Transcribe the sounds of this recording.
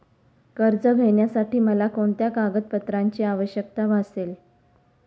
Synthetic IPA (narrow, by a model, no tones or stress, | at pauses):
kəɾd͡zəɡʱəjɳjasaʈiːməlakoɳt̪jakaɡət̪̚pət̪ɾaɲt͡ɕiːaʋəɕjək̚t̪aʋʱasel